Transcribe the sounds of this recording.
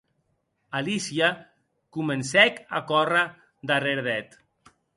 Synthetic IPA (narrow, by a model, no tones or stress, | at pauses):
alisia | kumənsɛka̰kɔra | d̪areɾðɛt̪